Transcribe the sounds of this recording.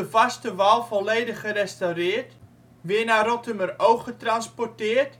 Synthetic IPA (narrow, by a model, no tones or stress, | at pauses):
əvɐstəvaːlˠfɔlˠejdəχːəɾɛstɐwɾɪərt | ʋiənaːɾɔtəməɾowχətrɐnspɔrtɪərt